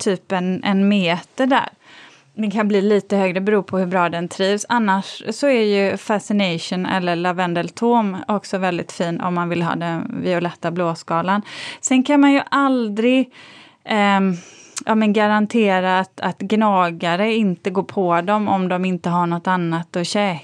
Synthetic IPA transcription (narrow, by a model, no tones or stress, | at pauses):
t̪ʰyːpɛnɛ̰nmeːt̪əɖæ̰ːɾ | d̪ɛnkʰanbliːliːt̪əhøːɡɾəbɛɾuːpʰɔhɵbɾɑːd̪ɛnt̪ʰɾiːvsanːaʂːɔæɾjɵfasɪnɛjʂʊnɛ̰lːəɭavɛnd̪ɛlt̪ʰoːmɔksɔvɛld̪ɪ̰t̪fiːnɔ̰mːanvɪlɦɑ̰ːd̪ɛnvɪʊlɛt̪ːabloːskɑːlansɛnkʰanmanjɵʔald̪ɾɪɡ | ʔɑːmɛnɡaɾant̪ʰeːɾaːt̪at̪ɡnɑːɡaɾəɪnt̪əɡoːɾpʰɔd̪ɔmɔ̰md̪ɔmɪnt̪əɦaɳɔt̪ːanːat̪ɔɕɛː